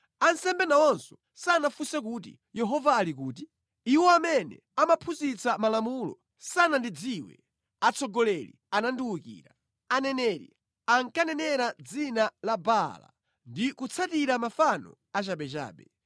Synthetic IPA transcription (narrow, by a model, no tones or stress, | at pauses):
ansɛmbɛnawɔnsɔ | sanafusɛk̬ut̬ḭ | jɛɦɔvaːlikuːt̬i | iwɔamɛnɛ̰ | amapʰuzit͡samalamulɔ̰ | sanandid͡ziwɛ̰ | at͡sʰɔɡɔlɛlḭ | ananduwukḭːɾa | anɛnɛːɾḭ | aŋkanɛnɛɾad͡zinalabala̰ | ndikut͡sʰatiɾamafanɔ̰ | at͡ʃaɓɛt͡ʃa̰ːɓɛ